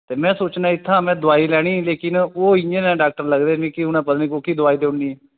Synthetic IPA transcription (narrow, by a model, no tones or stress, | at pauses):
t̪eːmɛ̃ːsuːt͡ʃnaɪt̪ʰːãmɛ̃d̪oaːiːlɛɽ̃iːlekɪnoind͡ʒenɛ̃ɖaːk̚ʈəɾləɡd̪emĩːkiɦuñãpəd̪mĩːkokiːd̪oʋaːid̪eunːiː